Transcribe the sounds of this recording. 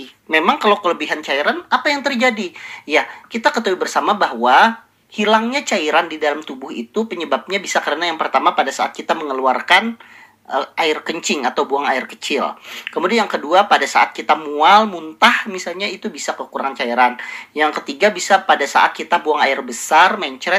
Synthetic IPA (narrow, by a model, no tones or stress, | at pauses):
memaŋkalawkələbiɦant͡ʃaiɾanapajaŋt̪ərd͡ʒadijakit̪akət̪əwibərsamabahwa | hilaŋɲat͡ʃaiɾandidalamt̪ubʊhḭt̪upəɲəbap̚ɲabisakəɾənajaŋpərt̪amapadasaa̰t̪̚kit̪aməŋəluarkan | əʔaɪrkəɲt͡ʃɪŋat̪awbuaŋaɪrkət͡ʃɪlkəmudianjaŋkəduapadasaʔat̪̚kit̪amualmunt̪ahmisalɲait̪ubisakəkuɾaŋant͡ʃaiɾanjaŋkət̪iɡabisapadasa̰ʔa̰t̪̚kit̪abuaŋaɪrbəsarmaɲt͡ʃɾɛ